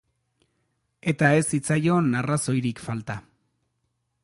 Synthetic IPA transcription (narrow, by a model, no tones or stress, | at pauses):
e̞t̪ae̞sit͡sajo̞naraso̞jɾikfalt̪a